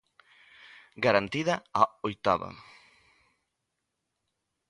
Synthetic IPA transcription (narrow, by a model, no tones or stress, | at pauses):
ɡaɾant̪iðɐaojt̪aβɐ̰